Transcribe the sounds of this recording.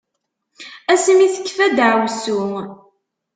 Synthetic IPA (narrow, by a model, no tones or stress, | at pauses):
æsmiθə̥kːfæd̪ʕwsu